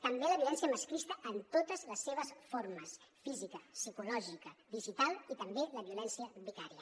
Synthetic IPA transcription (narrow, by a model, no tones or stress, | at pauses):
t̪əmbeləβiulɛnsiəməskɾist̪əʔːnt̪ot̪əzləsːeβ̞əsfoɾməsfizikəsikulɔʒikəβiʒit̪alit̪əmbeləβiulɛnsiəbik̪aɾiə